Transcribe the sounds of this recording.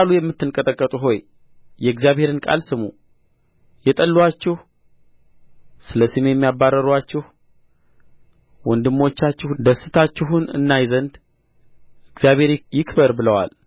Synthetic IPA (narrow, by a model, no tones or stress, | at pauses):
alujɛmːɨt̪ːɨnkʼət̪ʼəkʼːət̪ʼuɦo̞j | jɛɡzijaβhe̞ɾɨnkʼa̰lsɨmu | jɛt̪ʼəlːwat͡ʃːɪh | sɨləsimjɛmːijabːarːəɾwat͡ʃːɪh | wɔnd̪ɨmːo̞t͡ʃːat͡ʃːɪhd̪əsɨt̪ʰat͡ʃːɪɦunɨ̰nːajzənd̪ | ɨɡzijaβhe̞ɾjɪkʰbəɾbɨləwa̰l